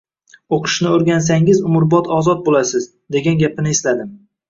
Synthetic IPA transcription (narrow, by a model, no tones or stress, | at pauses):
oqʰɨ̥ʃnɪoɾɡʲans̬aŋɪzʊmʊɾbɒt̪ʰɒzɒt̪̚bolasɪz | d̪e̞ɡʲanɡʲapɪnɪeslad̪ɪm